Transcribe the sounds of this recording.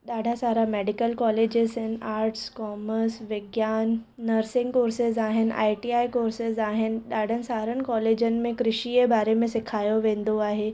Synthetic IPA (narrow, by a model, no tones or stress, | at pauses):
ɗaːɖʱasaːɾameːɖɪkəlkɔːleːd͡ʑɪzɪnɪ̆aːɾʈskɔːməɾsʋɪɡjaːnː | əɾsɪ̃ŋkoːɾsɪzaːɦɪnɪ̆ʔa̰ːiʈiaːikoːɾsɪzaːɦɪnɪ̆ɗaːɖʱənɪ̆saːɾənɪ̆kɔːleːd͡ʑənɪ̆mẽkɾɪʃiebaːɾemẽsɪkʰaːjoʋẽːn̆d̪oaːɦeː